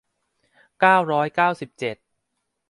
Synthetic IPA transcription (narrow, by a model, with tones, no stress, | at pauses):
kaː˥˩wɾɔː˦˥jkaː˥˩wsi˨˩p̚t͡ɕe˨˩t̪̚